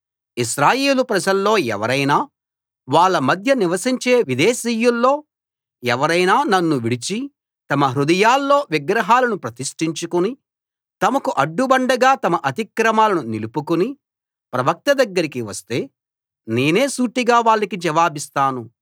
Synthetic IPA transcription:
iʃɾaːje̞ːlupɾɐd͡ʒɐlːo̞ːɛ̰ʋɐɾɐjnaː | ʋaːɭːɐmɐd̪ʱjɐniʋɐsiɲt͡ʃe̞ːʋid̪eːsijːulːo̞ː | ɛʋɐɾɐjnaːnɐnːuʋiɽit͡ʃi | t̪ɐmɐɦɾud̪ɐjaːlːo̞ːʋiɡɾɐɦaːlɐnupɾɐt̪iʂʈiɲt͡ʃukuni | t̪ɐmɐkuʔɐɖːubɐɳɖɐɡaːt̪ɐmɐʔɐt̪ikɾɐmaːlɐnunilupukuni | pɾɐʋɐk̚t̪ɐd̪ɐɡːɐɾikiʋɐst̪e̞ː | ne̞ːne̞ːsuːʈːiɡaːʋaːɭːɐkid͡ʒɐʋaːbist̪aːnu

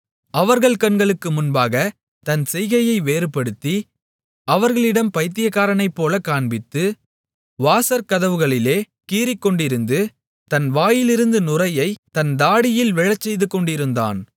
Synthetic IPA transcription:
ɐʋɐɾɣɐɭkɐnɡɐɭɯkːɯmʊnbaːɣɐ | t̪ɐnsɛjɣɐjɐɪʋeːɾɯpːɐɽɯt̪ːi | ɐʋɐɾɣɐɭɪɽɐmpɐɪt̪ːɪjɐkːaːɾɐnɐɪpːoːlɐkaːɳbɪt̪ːɯ | ʋaːsɐɾkɐðɐʋɯɣɐɭɪleː | kiːɾɪkːɔɳɖɪɾɯnd̪ɯ | t̪ɐnʋaːjɪlɪɾɯnd̪ɯnʊrɐjɐɪt̪ɐnd̪aːɽɪjɪlʋɪɻɐt͡ʃːɛjðɯkːɔɳɖɪɾɯnd̪a̰ːn

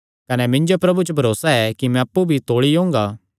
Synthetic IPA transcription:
kɐnɛmɪ̃ɲd͡ʒopɾɐbut͡ʃəbʱɐɾoːsaɛkimɛ̃ɐpːubʱit̪oːɭiõːŋɡaː

